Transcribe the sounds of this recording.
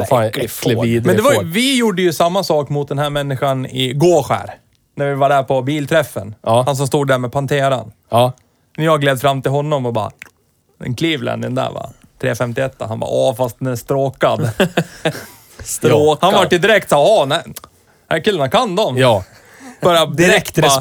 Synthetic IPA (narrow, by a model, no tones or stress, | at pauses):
fiːd̪mɛnɛvajvɪjuɖːəjɵsamːasɑːkmʊt̪̚d̪ɛnhæɾmɛnːɪɧanɪ̰ɡoːɾɧæ̰ːɾ | næɾvɪvaɖæɾpʰɔbiːlt̪ʰɾɛfːə̰nːhans̬ɔmst̪uːd̪ːæɾmɛːpʰant̪ʰeːɾa̰nː | njɑːaɡleːd̪fɾamːt̪ɪlɦɔnːɔmɔbɑ̰ː | ɛ̰nkʰliːvlɛ̰nːɪnd̪æ̰va̰ | t̪ʰɾeːfɛmt̪ɪɛt̪ːaɦanbɑ̰ɑːfast̪̚d̪ɛnæʂt̪ɾoːkad̪ | st̪ɾoːhanvaʈːjɪd̪ɪɾɛk̚t̪saːhɑnæɪ | hækʰɪlːənakʰand̪ɔmj | bœɾjad̪ɪɾɛk̚t̪ː